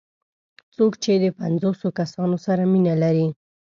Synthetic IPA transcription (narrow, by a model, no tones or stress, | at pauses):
t͡sokt͡ʃed̪əpanzosokasɑnosaɾaminalaɾi